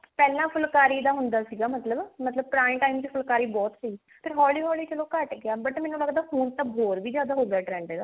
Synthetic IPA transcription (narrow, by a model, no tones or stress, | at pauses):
pɛːlãːpʰʊlkaːɾiːd̪aːɦʊnd̪aːsiːɡaːmət̪ləbmət̪ləb̚pɾaːĩʈaːimt͡ʃpʰʊlkaːɾiːbɔːt̪səiː | pʰɪɾɦɔːliːɦɔːliːt͡ʃəloːkəʈɡɪaːbəʈmɛ̃ːnũːləɡd̪aːɦuːɳt̪ãːbʱoːɾʋiːzjaːd̪aːɦoːɡɪaːʈɾɛ̃ːɳɖeːd̪aː